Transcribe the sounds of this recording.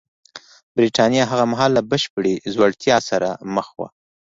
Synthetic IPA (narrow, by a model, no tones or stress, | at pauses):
bɾiʈɑnjɑɦaɣamaɦɑlːabəʃpəɽezwaɽt̪jɑsaɾaməxwa̰